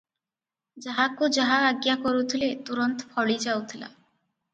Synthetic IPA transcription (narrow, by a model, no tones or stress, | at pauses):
d͡ʒaɦakud͡ʒaɦaaɡjakoɾut̪ʰilet̪uɾɔnt̪ɔpʰɔɭid͡ʒawt̪ʰila̰